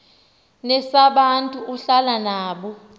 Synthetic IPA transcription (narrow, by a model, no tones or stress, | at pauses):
nɛsaɓantʼuuɬalanaːɓɔ